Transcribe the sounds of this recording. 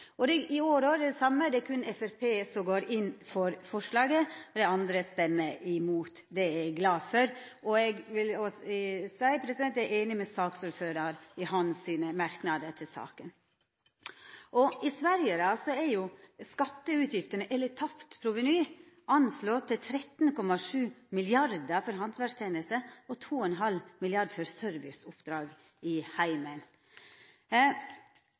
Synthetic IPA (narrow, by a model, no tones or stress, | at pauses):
ɔd̪ɛʔɪoːɾoːɾɛɖ̪ɛsɑmːəd̪ɛækʰʉnɛfæɾpʰeːsɔmɡoːɾɪnːfɔɾfɔʂlɑːɡəd̪ɛɑnd̪ɾəst̪ɛmːəʔɪmuːt̪d̪ɛɛɡlɑːfœɾɔɛɡʋɪlɔsæɪpʰɾɛsɪd̪ɛnt̪æɾeːnɪmɛsɑːksuːɾføːɾɑɾɪhɑnsiːnəmɑɾknɑd̪ət̪ʰɪlsɑ̰ːkən | ʔɔɪsʋæɾjəɾɑsɔɛɾjʊskɑt̪ːəʉːt̪ʰjɪft̪əɳəʔɛlət̪ʰɑpt̪pʰɾʊʋənyː | ɑnslɔt̪ʰːɪlt̪ʰɾɛt̪n̩kɔmɑʂʉːmɪlɪɑɾd̪əfɔɾɦɑnsʰʋæʂt̪ʰeːnəlsəɔt̪ʰuːɛnɦɑlmɪlɪɑɖfɔɾsœɾʋɪ̰sʊpːd̪ɾɑːɡ | ɪhæɪmən